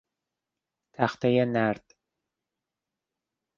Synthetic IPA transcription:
t̪ʰæχt̪ajanæɾt̪

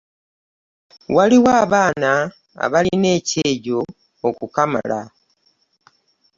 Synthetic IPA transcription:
waliwaːβaːna | a̰βaline̞ːceːɟo̞ː | kukama̰la̰

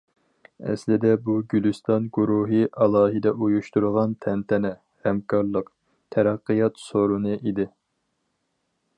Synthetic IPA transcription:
ɛ̰slɪd̪ɛbuɡʲylyst̪ɑnɡuɾuɦɨʔɑlˠɑːɦɨd̪ɛʔujuʃt̪uɾʁɑnt̪ʰɛnt̪ʰɛnɛ | hɛmkʰɑɾlˠəq | t̪ʰɛɾɑqːɨjɑt̪soɾunɨʔid̪ɪ

